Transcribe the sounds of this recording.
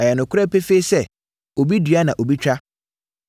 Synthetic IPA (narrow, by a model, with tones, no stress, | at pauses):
ɛ˨jɛ˨nʊ̃˨kʰʊ˦ɾɛ˦pe˦fe˦i˦sɛ˦ | o˨bi˦dɥa˦nã˨ʔo˨bi˦t͡ɕᶣa˦